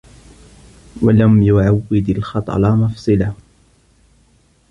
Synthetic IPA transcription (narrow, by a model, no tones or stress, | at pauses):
walamjʊʕawːɪd̪alxɑt̪ˤɑ̰lɑmɑfsˤɨlah